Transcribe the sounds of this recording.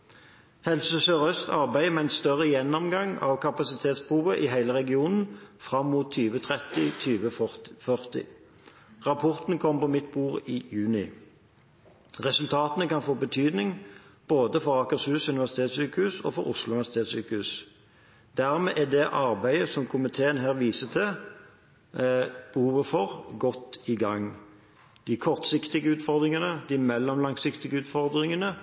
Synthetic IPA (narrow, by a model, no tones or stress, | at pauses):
hɛlsəsøʁœst̪ʰɑʁbæɪmɛæɪnst̪œʁəjɛnːɔmɡɑŋɑ̰ʋkʰɑpɑsɪt̪ʰeːt̪spʰʁuːʋəʔiːɦæɪləʁɛɡɪuːnn̩fʁɑmːuːt̪ʰːyːʋət̪ʰʁɛt̪ɪt̪ʰyːʋəfœʁt̪ɪ̰ | ʁɑpʰɔʁt̪n̩kʰɔmːpɔmɪt̪̚buːʁiːjʉːnɪ | ʁɛsʉlt̪ʰɑːt̪ənəkɑnfoːbət̪ʰyːd̪nɪŋb̥oːd̪əfɔʁɑːkəʁshʉːsʉnɪʋæʁsɪ̥t̪ʰeːt̪syːkəhʉːsɔ̰ːfɔʁʊ̰slʊnɪʋæsɪt̪ʰeːt̪syːkəhʉːs | d̪̥æʁmɛːʔɛd̪ɛʔɑʁbæɪəsɔmkʰʊmɪt̪ʰeːənɦæːʁʋiːsət̪ʰɪ | b̥əhuːʋəfɔʁɡɔt̪ːɪɡɑŋ | d̪̥ɪkʰɔʁt̪sɪkt̪ɪɡəʉːt̪fɔʁd̪ʁɪŋənəd̪ɪmɛlːɔmlɑŋsɪkt̪ɪɡəʉːt̪fɔʁd̪ʁɪŋənə